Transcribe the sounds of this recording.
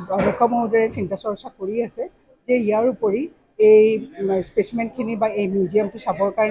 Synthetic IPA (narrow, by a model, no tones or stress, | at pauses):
ɔlɔkʰɔmɔɦudɔɹɛsintasɔɹsakoɹiasɛ | zɛijaɹupoɹi | ejspesmɛntkʰinibaejmidijɔmtʊsabɔɹkaɹn